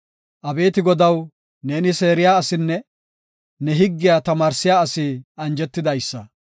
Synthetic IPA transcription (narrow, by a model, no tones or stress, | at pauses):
ʔɐbe̞ːt̪ɪɡɔd̪ɐw | ne̞ːnɪse̞ːɾɪjaːɐsɪnːɛ | nɛɦɪɡːɪjaːt̪ɐmaːɾsɪjaːɐsɪɐnd͡ʒɛt̪ːɪd̪ɐjsːɐ